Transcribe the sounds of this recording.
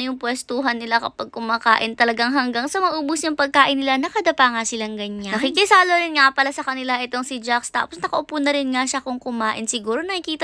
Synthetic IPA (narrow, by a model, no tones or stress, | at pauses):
jʊŋpwɛst̪uːɦɐnːɪlakɐpɐɡ̚kʊmaːkaːʔɪnt̪ɐlɐɡaŋɦɐŋɡaŋsɐmɐʔuːbʊsnɐŋpɐɡ̚kaːʔɪnːɪlanɐkɐd̪ɐpaŋasɪlaŋɡɐɲanɐkikɪsaːlɐɾɪnŋapɐlasɐkɐnɪlaʔɛt̪o̞ŋsɪd͡ʒakst̪a̰ːposnɐkɐʔʊpunɐɾɪnŋaʃakʊŋkʊmaːʔɪnsɪɡuːɾonɐkikiːt̪ɐ